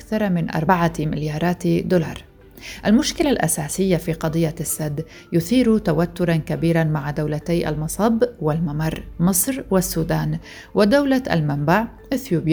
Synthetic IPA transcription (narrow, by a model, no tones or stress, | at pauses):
ʔakθɑɾˤɑmɪnʔɑ̰ɾˤbaʕamɪ̰ljɑːɾˤɑːt̪d̪olɑ̰ːɾˤ | ʔalmʊʃkɪlalʔa̰saːsɪjːafiːqɑd̪ˤɨjːasːad̪ː | jʊθiːɾt̪awat̪ːʊɾˤɑnkabiːɾanmaʕad̪awlat̪aːʔa̰lmɑsˤɑbwɪlmamɑɾˤmɨsˤɾwɪsːuːd̪aːn | wɪd̪awlaa̰lmambaʕ | ʔɪθjuːb